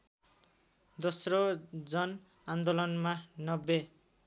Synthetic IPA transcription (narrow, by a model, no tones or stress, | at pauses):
d̪osrod͡zʌn | and̪olʌnmanʌbːe